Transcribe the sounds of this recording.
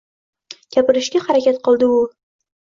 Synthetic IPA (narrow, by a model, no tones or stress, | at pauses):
kʲʰapɪɾɪʃɡʲahaɾakʲat̪qʰɨlˠd̪ɪʊ